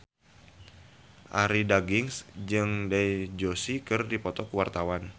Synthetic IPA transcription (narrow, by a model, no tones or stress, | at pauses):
ʔaɾidaɡɪŋsd͡ʒɨŋdajd͡ʒosikɨrdipɔt̪ɔkuwart̪awan